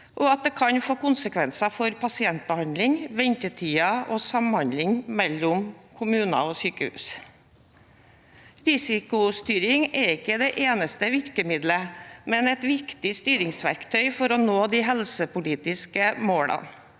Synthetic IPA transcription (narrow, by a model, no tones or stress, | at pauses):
ʔɔɑt̪̚d̪ɛːkʰɑɲfoːkʊnsəkʰʋɛnsɑfɔɾpʰɑsɪɛnt̪̚bəhɑnd̪lɪŋʋɛɲt̪ət̪ʰiːɑʔɔsɑmhɑnd̪lɪŋmɛlːʊmkʰʊmʉːnɑ̰ɔsyːkəʉ̰ːs | ɾɪsɪkʊst̪yːɾɪŋɛɾɪkːəd̪ɛʔeːnəst̪əʋɪɾkəmɪd̪ləmɛnɛt̪ʋɪkt̪ɪst̪yːɾɪŋsʋæ̰ɾkt̪ʰœʏfɔɾɔnoːd̪iɦɛlsəpʊliːt̪ɪskəmoːɽɑ̰n